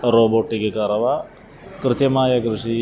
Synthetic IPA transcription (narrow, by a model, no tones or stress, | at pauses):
ɾoːboːʈːikekɐɾɐʋa | kɾɨt̪jɐmaːjɐkɾɪʂi